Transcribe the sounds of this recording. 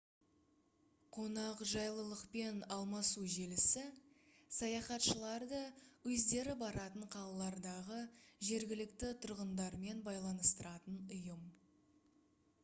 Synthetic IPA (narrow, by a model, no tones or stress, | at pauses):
qʰo̞nɑqʒɑjlˠəlˠəqpe̞nɑlˠmɑsuʒe̞lɪsɪsɑjɑχɑt̪ʃəlˠɑɾd̪əwɵzd̪e̞ɾɪbɑɾɑt̪əɴqʰɑlˠɑlˠɑɾd̪ɑʁəʒe̞ɾɡʲɪlɪkt̪ɪt̪ʰʊɾʁənd̪ɑɾme̞nbɑjlˠɑnəst̪əɾɑt̪ənʊjəm